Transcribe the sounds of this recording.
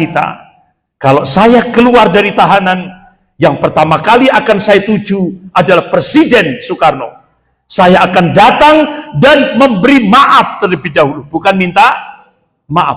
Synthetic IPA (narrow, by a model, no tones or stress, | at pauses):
it̪a̰ | kalosajakəluardaɾit̪aɦanan | jaŋpərt̪amakaliakansajat̪ud͡ʒuʔadalahpɾesidɛnsukarno̰ | sajaːkandat̪aŋdanməmbəɾimaʔaft̪ələbihdaɦulubukanmint̪a | maʔa̰f